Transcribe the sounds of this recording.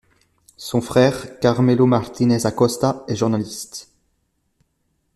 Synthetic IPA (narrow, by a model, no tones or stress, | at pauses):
sɔ̃fχɛːʁkaʁmelomaʁt̪inɛzakɔst̪aɛʒuʁnalist̪